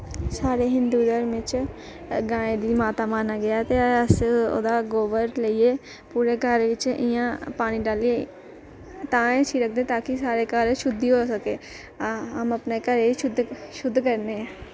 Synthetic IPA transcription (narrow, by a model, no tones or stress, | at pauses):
saːɾeɦɪ̃nd̪ud̪əɾmẽt͡ʃ | ɡãːẽd̪imaːt̪amaːnaɡɐjat̪eəso̰d̪aɡoːʋəɾleie | puːɾekəɾʋɪt͡ʃʔɪjãpaːñiɖaːlie | t̪ãːẽt͡ʃʰiɾɐk̚ʰd̪ẽt̪aːkisaːɾekaɾeʃʊd̪ʱːiɦoːsɐkeː | ɦɐmɐpnekəɾeʃʊd̪ʱʃʊd̪ʱːkəɾneɛ̃ː